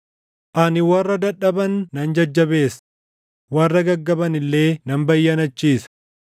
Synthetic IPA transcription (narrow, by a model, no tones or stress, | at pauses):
ʔɐnɪwɐrːɐd̪ɐᶑːɐbɐnːɐnd͡ʒɐd͡ʒːɐbe̞ːs | wɐrːɐɡɐɡːɐbɐnɪlːe̞ːnɐmbɐjːɐnɐt͡ʃːiːsɐ̥